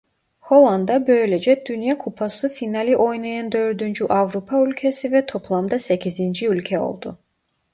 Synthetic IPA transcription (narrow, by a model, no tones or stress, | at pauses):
ho̞lˠand̪abø̞jlʲed͡ʒɛd̪̥ynjakʰupʰasɯfinalʲiʔo̞jnajand̪ø̞ɾd̪ynd͡ʒyʔavɾupʰaylʲcʰesivɛt̪ʰo̞pʰlˠamd̪asecʰizind͡ʒiylʲcʰɛo̞̰lˠd̪̥ṵ